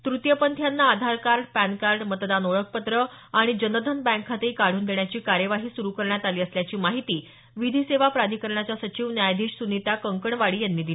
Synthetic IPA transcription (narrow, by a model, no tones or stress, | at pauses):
t̪ɾut̪jəpənt̪ʰjanːaːd̪ʱaɾkaɾɖpænkaɾɖmət̪d̪anoɭək̚pət̪ɾəaɽ̃id͡ʑənəd̪ʱənbæ̃ŋkʰːat̪eikaɽ̤uːnd̪eɳjat͡ɕiːkaɾjəʋaɦiːsuɾukəɾɳjat̪aliːəsljat͡ɕiːmaɦit̪iː | ʋid̪ʱiːseʋapɾad̪ʱikəɾɳat͡ɕasət͡ɕiːʋnjajd̪ʱiːʂsunit̪akəŋkəɳʋaɭiːjanːiːd̪i